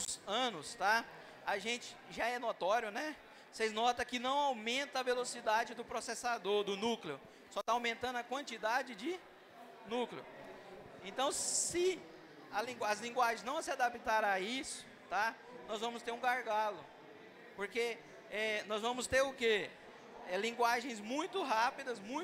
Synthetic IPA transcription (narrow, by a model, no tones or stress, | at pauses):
ɐ̃nʊst̪a | aʒẽt͡ʃɪ̥ʒaɛnot̪ɔɾjʊnɛ | sejznɔt̪ɐ̃kɪnɐ̃w̃awmẽnt̪ɐɐvelosid̪ad͡ʒɪd̪ʊpɾosesad̪oɾd̪ʊnukleʊ | sɔt̪aːwmẽnt̪ɐ̃nʊɐkwɐ̃nt͡ʃid̪ad͡ʒɪd͡ʒɪ | nukleʊ̰ | ẽt̪ɐ̃w̃sɪ | ɐlĩɡwɐzlĩɡwaʒẽj̃znɐ̃w̃sɪad̪apit̪aɾɐ̃aisʊ̥ | t̪a | nɔzvɐ̃mʊst̪eɾũɡaɾɡalʊ | poɾke | ɛnɔzvɐ̃mʊst̪eɾʊke | ɛlĩɡwaʒẽj̃zmũj̃t̪ʊɦapid̪ɐzmũj̃